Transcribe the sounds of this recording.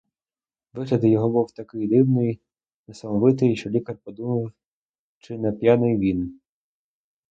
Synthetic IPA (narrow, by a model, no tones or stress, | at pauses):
ʋɪɦlʲɐd̪ɪjɔɦɔbuwt̪ɐkɪjd̪ɪwnɔj | nɐsɐmɔʋɪt̪̬ɪjʃt͡ʃɔlʲikɐrpɔd̪umɐw | t͡ʃɪnɛpʲjanɪjʋʲin